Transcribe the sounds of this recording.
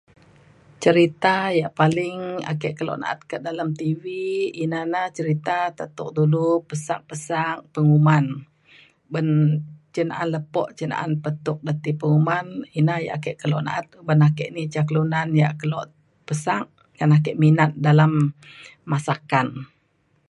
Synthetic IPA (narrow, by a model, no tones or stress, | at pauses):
t͡ʃəɾit̪ajaʔpalɪŋa̰kɛʔkəlɔ̰ʔna̰ʔa̰t̪̚kəʔdalamt̪iviːnanaht͡ʃəɾit̪at̪ət̪ʊk̚dulupəsak̚pəsak̚pəŋuman | bənt͡ʃəna̰ʔanləpɔ̰ʔt͡ʃəna̰ʔanpət̪ʊk̚dat̪ipəŋumaninahja̰ʔakɛʔkəlɔʔna̰ʔat̪̚bənakɛʔnit͡ʃaklunanjaʔkəlɔʔ | pəsak̚ | ɡanak̬ɛʔminat̪̚dalamː | asakan